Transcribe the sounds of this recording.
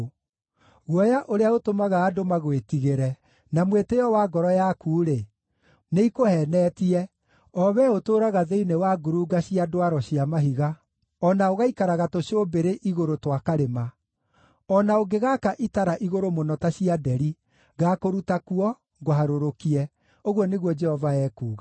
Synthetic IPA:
ɣwɔjaʔoɾeaotomaɣaːdomaɣwetiɣeɾɛ | namwetejɔwaɡɔɾɔjakuːɾe | neikohɛnɛːtiɛ | ɔβɛotoːɾaɣaðeinewaɡuɾuɡaɕiadwaɾɔɕiamaɦiɣa | ɔnaoɣaikaɾaɣatoɕobeɾeʔiɣoɾotwakaɾema | ɔnaoɡeɣakaʔitaɾaʔiɣoɾomonɔtaɕiadɛɾi | ɣakoɾutakuɔ | ɡwhaɾoɾokiɛ | oɣwɔneɣwɔd͡ʒɛhɔvaɛːkuːɣa

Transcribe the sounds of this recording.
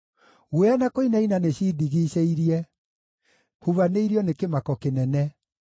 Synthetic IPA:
ɣweanakoinainaneɕidiɣiɕeiɾiɛ | huβaneiɾiɔnekemakɔkenɛnɛ

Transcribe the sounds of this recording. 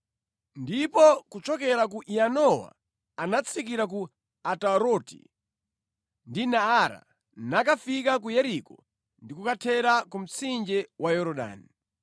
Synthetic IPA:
ndipɔkut͡ʃɔkɛɾakuʔianɔwa̰ | anat͡sʰik̬iɾak̬u | ataɾɔtḭ | ndinaaɾa̰ | nakafikak̬ujɛɾikɔ | ndikukatʰɛɾakum̩t͡sʰind͡ʒɛwajɔɾɔɗa̰ːni

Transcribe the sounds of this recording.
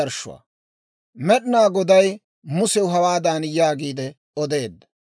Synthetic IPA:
ɐɾʃʊ̰wa̰ | mɛɗɪnaːɡɔd̪ɐj | mʊsɛwʊɦɐwaːd̪aːnjaːɡiːd̪ɛ | ɔd̪e̞ːd̪ːɐ̥

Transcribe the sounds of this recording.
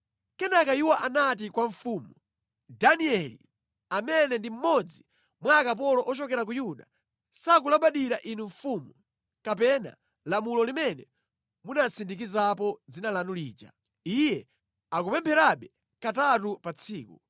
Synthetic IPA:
kɛnakaiwaʔanat̬ikwaɱfuːmu | daniɛlḭ | amɛnɛndim̩mɔd͡zi | mwakap̬ɔlɔʔɔt͡ʃɔkɛɾak̬ujuɗa̰ | sakulaɓaɗiɾaʔinuɱfumu | kapɛna̰ | lamulɔlimɛnɛ | munasindik̬izapɔd͡zinalanulḭːd͡ʒa̰ | ijɛ | akupɛmpʰɛɾaɓɛ | katatupat͡sʰiːku

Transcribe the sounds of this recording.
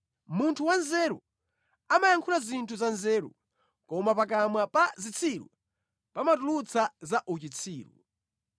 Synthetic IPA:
muntʰuwanzɛɾṵ | amajaŋkʰulazintʰuzanzɛːɾṵ | kɔmapak̬amwapazit͡sʰiɾṵ | pamatulut͡sʰazaʔut͡ʃit͡sʰiːɾṵ

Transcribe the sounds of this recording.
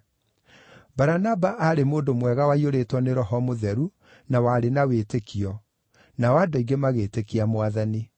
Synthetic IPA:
baɾanabaʔaɾemoːdomwɛɣawaioɾetwɔneɾɔɦɔmoðɛɾu | nawaɾenaweːtekʰiɔ | nawadɔiɡemaɣeːtekiamwaðani

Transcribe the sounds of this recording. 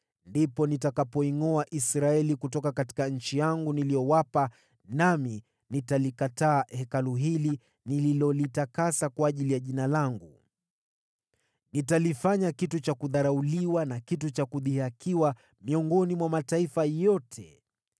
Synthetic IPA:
ndipɔnitakapɔiŋɔaʔisɾaɛlikutɔkakati̥kaɲ̩t͡ʃijaŋɡunilijɔwapa | nami | nitalikataːhɛkaluɦili | nililɔlitakasakwaːʄilijaʄinalaŋɡu | nitalifaɲakitut͡ʃakuðaɾauliwanakitut͡ʃakuðihakʰiwa | miɔŋɡɔnimwamataifajɔtʰɛ

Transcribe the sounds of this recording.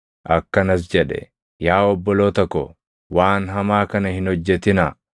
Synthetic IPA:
ʔɐkːɐnɐs̬d͡ʒɛᶑɛ̰ | jaːɔbːɔloːt̪ɔkːɔ | waːnɦɐmaːkɐnɐhɪnhɔd͡ʒːɛt̪ɪna

